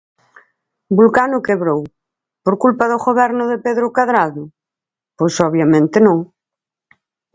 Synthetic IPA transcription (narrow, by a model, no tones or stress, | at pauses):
bulkanʊkeβɾow | poɾkulpɐðʊɣoβɛɾnʊðɪpeðɾʊkaðɾaðʊ | pojsɔβjamẽnt̪ɪnõŋ